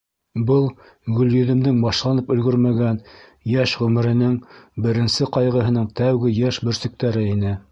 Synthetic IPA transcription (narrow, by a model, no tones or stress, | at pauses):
bɤlˠ | ɡɵ̆ljɵ̆ðɘ̆md̪ɘŋbɑʃlˠɑnɤpɵ̆lɡɵɾmæɡænjæʃʁɵmɘ̆ɾɘ̆nɘŋbɘ̆ɾɘ̆nsɘqɑjʁɤ̆ɦɤ̆nɤɴt̪æwɡɘjæʃbɵ̆ɾsɘ̆k̚t̪æɾɘinɘ